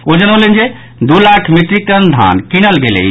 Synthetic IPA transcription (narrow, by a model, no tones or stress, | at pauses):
od͡ʒənələnd͡ʒe | d̪ulakʰmit̪ɾikənd̪ʱa̰nkinəlɡelə̰